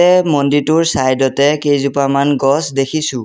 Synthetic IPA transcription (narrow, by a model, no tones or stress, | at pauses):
ɛmonditʊɹsajdɔtɛkejzupamanɡɔsdekʰisʊ̃